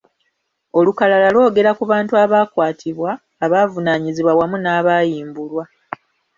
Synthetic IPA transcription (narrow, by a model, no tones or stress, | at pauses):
o̞lukalalalwo̞ːɡe̞ɾakuβaːntuaβaːkwaːtʰiβwaː | βaːvunaːɲiziβwawamunaːβaːjiːmbulwa